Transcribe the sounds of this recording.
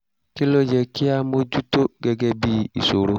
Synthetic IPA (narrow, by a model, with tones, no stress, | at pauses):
ki˦lo˦jɛ˨kɪ˦a˦mo˦d͡ʒu˦to˦ɡɛ˨ɡɛ˦bi˦ḭ˨so˨ɾo˦